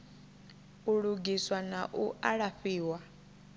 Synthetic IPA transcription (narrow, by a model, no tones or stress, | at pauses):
uɺuɡiswanaʔuʔaɺaɸiːwa